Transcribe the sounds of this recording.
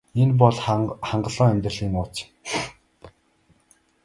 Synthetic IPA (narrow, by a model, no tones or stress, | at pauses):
enp̬ɔɮχaɴɢə̆ɮɔːŋæmʲt̪rə̆ɮiːnʊːt͡s